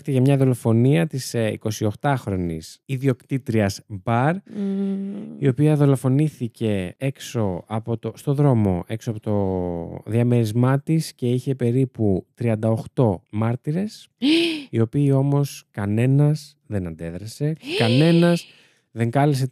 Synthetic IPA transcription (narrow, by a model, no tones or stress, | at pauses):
it̪eʝɐmɲɐðo̞lo̞fo̞niɐt̪isḭko̞sio̞xt̪ɐxɾo̞nḭsiðio̞kt̪it̪ɾiɐzbɐɾ | io̞piɐðo̞lo̞fo̞niθice̞e̞kso̞ɐpo̞t̪ost̪o̞ðɾo̞mo̞ʔe̞ksoɐpot̪o̞ðiɐme̞ɾizmɐt̪isce̞içe̞pe̞ɾiput̪ɾiɐnd̪ɐo̞xt̪o̞mɐɾt̪iɾe̞s | io̞piːo̞mo̞skɐne̞nɐs | ðe̞nɐnd̪e̞ðɾɐse̞kɐne̞nɐs | ðe̞ŋkɐlis̬e̞